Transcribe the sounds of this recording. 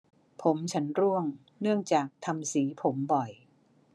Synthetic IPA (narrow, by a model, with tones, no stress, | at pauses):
pʰo˩˦mt͡ɕʰa˦˥nɾu˥˩əŋ | nɯ˥˩əŋt͡ɕaː˨˩k̚t̪ʰa˧msiː˩˦pʰo˩˦mbɔ˨˩j